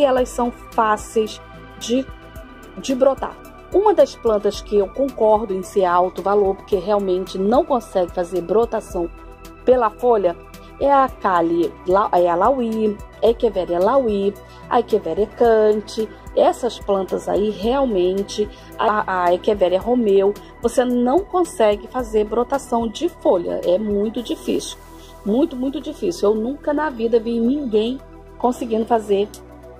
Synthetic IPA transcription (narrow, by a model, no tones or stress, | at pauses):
ɪɛlɐssɐ̃w̃ | fasejs | d͡ʒɪ | d͡ʒɪbɾot̪a̰ɾ | ũmɐd̪ɐsplɐ̃nt̪ɐskɪewkõŋkɔɾd̪ʊẽj̃seawt̪ʊvaloɾpo̥ɾkeɦeawmẽnt͡ʃɪnɐ̃w̃kõsɛɡɪfazeɾbɾot̪asɐ̃w̃ | pelɐfolɐ | ɛɐkalɪlaʔɛɐlawiaekevɛɾɛlawi | ɐ̰ekevɛɾɛkɐ̃t͡ʃɪ | ɛsɐsplɐ̃nt̪ɐza̰iɦeawmẽnt͡ʃɪ | aaekevɛɾɛɦomew | vosenɐ̃w̃kõsɛɡɪfazeɾbɾot̪asɐ̃w̃d͡ʒɪfoʎɐ̰ʔɛmũj̃t̪ʊd͡ʒifḭsi̥w | mũj̃t̪ʊmũj̃t̪ʊd͡ʒifisiuewnũkɐnɐvid̪ɐvinĩɡẽj̃ | kõsɪɡĩnd̪ʊfazeɾ